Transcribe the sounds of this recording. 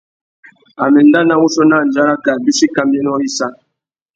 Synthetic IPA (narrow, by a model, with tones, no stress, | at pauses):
a˨mɛ˨n˦da˦na˦wu˦sɔ˦na˦˨n̩˨d͡ʒa˦ɾa˦ka˨bi˦ʃi˦ka˨mbɛ˦n˦ɔ˦i˦sa˦